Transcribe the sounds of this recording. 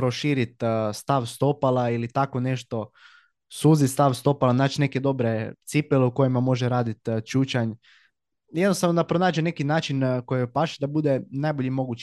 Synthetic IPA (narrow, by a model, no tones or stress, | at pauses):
pɾo̞ʃiːɾit̪st̪aʋst̪o̞palˠailit̪ako̞ne̞ʃt̪o̞ | suːzit̪st̪aʋst̪o̞palˠanaːt͡ʃne̞ke̞d̪o̞bɾe̞t̪sipeleuko̞jimamo̞ʒeɾaːd̪it̪t͡ʃuːt͡ɕaɲ | jed̪nost̪aʋnod̪apɾo̞naːd͡ʒenekinaːt͡ʃinko̞jiopaʃid̪abud̪e̞najbo̞ʎimo̞ɡut͡ʃ